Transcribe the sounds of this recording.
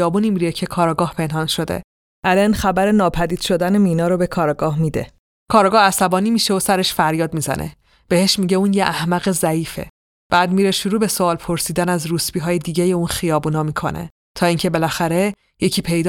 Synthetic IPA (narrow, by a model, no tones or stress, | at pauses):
ɒːbunimiɾijecʰe̞kʰɒːɾɒːɡɒːhpʰe̞nɦɒnʃo̞d̪ḛ | ʔælenxæbæɾenɒːpʰæd̪iːd̪̥ʃo̞d̪ænemiːnɒːɾobekʰɒːɾɒɡɒːhmiːd̪ḛ | kʰɒːɾɒːɡɒːhæsæbɒːniːmiʃeosæɾe̞ʃfæɾjɒːd̪mizæ̰nʔḛ | b̥e̞he̞ʃmiɟeuːnjeʔæhmæɣezæiːfe̞̰ | b̥æːd̪miːɾeʃuɾuːbe̞soɒːlpʰo̞ɾsiːd̪ænæzrusbiːɦɒːjed̪iːɟejeuːnxijɒːbuːnɒːmikʰo̞̰nḛ | t̪ʰɒːiŋcʰe̞be̞læxæɾe̞ | jecʰiːpʰe̞jd̪